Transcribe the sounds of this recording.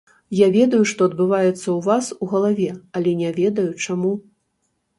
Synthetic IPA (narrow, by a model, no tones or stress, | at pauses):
javʲɛd̪ɐjuʂt̪ɔɐd̪bɨvajɛt̪sːɐwvasuɣɐlˠavʲɛɐlʲɛnʲɛvʲɛd̪ɐjut͡ʂamu